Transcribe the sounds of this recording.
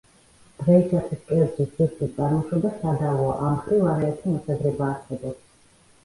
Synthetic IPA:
d̪̥ʁɛisat̪ʰwiskʼɛɔɾt͡ʃʼisd̪ziskʼist͡s̪ʼaɾmɔʃɔbasad̪avɔ̰ʔamχɾivaɾɛːt̪ʰimɔsad̪ɾɛbaːɾsɛbɔps

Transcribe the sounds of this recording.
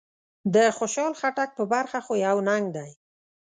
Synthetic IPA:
d̪əxoʃɑlxaʈak̚pəbaɾxaxojawnaŋɡ̚d̪aj

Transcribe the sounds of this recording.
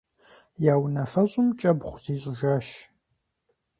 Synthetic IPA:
jaːwnɐfɐɕʼʊmt͡ʃʼɐbχʷz̥iːɕʼɪʒaːʃ

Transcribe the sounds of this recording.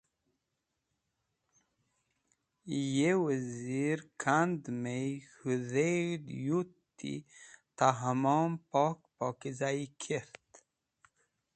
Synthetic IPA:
jewəziɾkʰand̪mejxuðedjut̪ːḭt̪aɦamɔmpɔk̚pɔkizaikʰeɾt̪

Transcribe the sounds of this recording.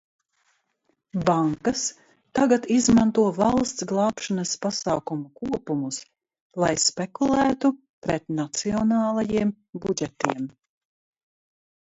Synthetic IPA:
baŋkas | t̪aɡat̪izmant̪uɔvɑlˠst̪sɡlˠɑːpʃanɐspasaːkumukuɔpumus | lˠajspɛkulˠæːt̪u | pɾɛt̪nat̪siɔnaːlˠajiɛm | bud͡ʒɛt̪iɛm

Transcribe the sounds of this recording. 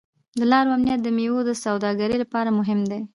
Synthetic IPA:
d̪əlɑɾoamnijat̪̚d̪əmewod̪əsawd̪ɑɡaɾəjlapɑɾamʊɦɪmd̪e

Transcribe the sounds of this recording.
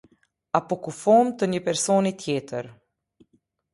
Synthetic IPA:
apukufɔːmt̪ənjəpɛɾsoːnit̪ʰjeːt̪əɾ

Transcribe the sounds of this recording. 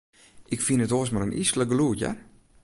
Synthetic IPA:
ʔɪkfinətoəsmaɾənisləɡluəca̰

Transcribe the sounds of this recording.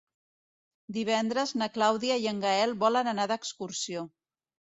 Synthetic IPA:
d̪iβ̞ɛnd̪ɾəznəklawðiəiəŋɡəɛlˠβɔlənənaðəkskuɾsio

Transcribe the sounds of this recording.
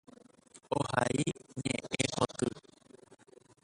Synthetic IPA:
ohaiɲẽẽhot̪ɨ

